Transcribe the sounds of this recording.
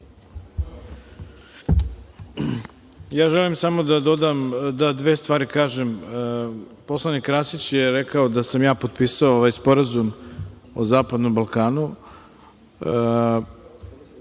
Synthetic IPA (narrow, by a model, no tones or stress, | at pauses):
jaːʒelimsamo̞d̪ad̪o̞d̪amd̪ad̪ʋe̞ːst̪ʋaːɾikaːʒem | po̞slˠanikɾasit͡ɕjeɾekaod̪asamjaːpo̞t̪̚piːsaooʋaːjspo̞ɾazum | ozaːpad̪nombalˠkaːnu